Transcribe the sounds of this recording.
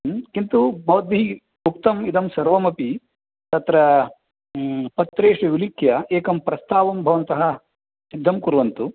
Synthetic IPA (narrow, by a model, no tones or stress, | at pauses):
kint̪ubɐːd̪i | bʱukt̪ɐmid̪ɐmsɐɾʋɐmɐpi | t̪ɐt̪ɾɐ | pɐt̪ɾeːʂiʋilikʰjɐeːkɐmpɾɐst̪aːʋɐmbʱɐʋɐnt̪ɐɦɐ | sid̪ʱːɐmkuɾʋɐnt̪u